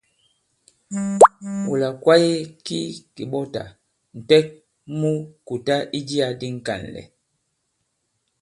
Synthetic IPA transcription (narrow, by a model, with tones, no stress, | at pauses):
wu˨la˨kwa˦je˦ki˦ki˨ɓɔ˦ta̰˨ | n̩˨tɛ˦k̚ | mu˦ku˨ta˦ʔi˦d͡ʒi˦a˨di˦ŋ̩˨ka̰˨n˨lɛ̰˨